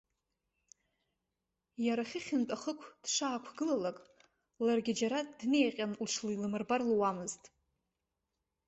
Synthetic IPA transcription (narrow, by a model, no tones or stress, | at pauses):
jaɾaχʲɪχʲɪntʼaχəkʷʰd̥ʂaːkʷʰɡɨlalakʼ | larɡʲɪd͡ʒaɾadne̞jqʲʼanlʂʰliilɨmɨrbarlwamɨztʼ